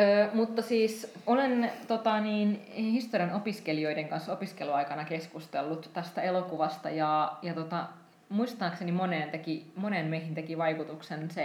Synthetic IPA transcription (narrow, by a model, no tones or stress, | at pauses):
øːmut̪ːɑsiːsolent̪ot̪ɑniːnhist̪oriɑnopiskelio̞ideŋkɑnsopiskeluɑikɑnɑkeskust̪elːut̪t̪æst̪æelokuʋɑst̪ɑjɑjɑt̪ot̪ɑ | muist̪ɑːksenimoneːnt̪ekimoneːnmeihint̪ekiʋɑikut̪uksense